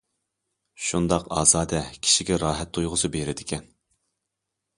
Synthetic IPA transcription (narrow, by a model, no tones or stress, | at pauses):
ʃund̪ɑqɑ̰ːzɑːd̪ɛkʲʰi̥ʃiɡʲɛɾɑːɦɛt̪ʰːojʁʊsɨbeɾɪd̪ɪkʲʰɛn